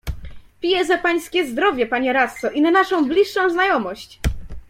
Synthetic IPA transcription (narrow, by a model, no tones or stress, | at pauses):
pʲijɛzapaj̃skʲɛzd̪ɾɔvʲjɛpaɲɛɾat̪sɔʔinanaʂɔ̃w̃blʲiʂːɔ̃w̃znajɔmɔɕt͡ɕ